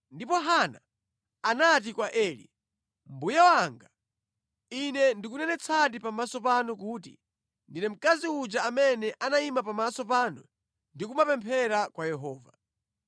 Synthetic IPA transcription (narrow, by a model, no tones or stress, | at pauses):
ndipɔɦana̰ː | nat̬ikwaʔɛːlḭ | m̩bujawaŋɡa | inɛndikunɛnɛt͡sʰat̬ipamasɔpanuk̬uːtḭ | ndinɛm̩kaziud͡ʒaːmɛnɛʔanaimapamasɔp̬aːnu | ndikumapɛmpʰɛɾakwajɛɦɔːva̰